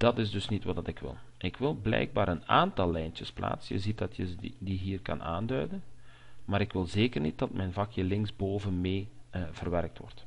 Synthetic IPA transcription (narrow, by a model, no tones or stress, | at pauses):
d̥ɑtɪzdɵsnitʋɑdɑtɪkʋɪ̰lˠʔɪkʋɪlˠblɛ̰jɡ̚baːɾəna̰ːntɑlˠːɛjntəspla̰ːtsəjə̰zit̚dɑtjədiɦiːrkɑ̰nʔa̰ːndœɥdən | maːɾɪkʋɪlˠzeːkərnit̚dɑtmʔɛjnvɑkʰjəlɪŋzboːvənmeːv̥ərʋɛrk̚tʋɔ̰rt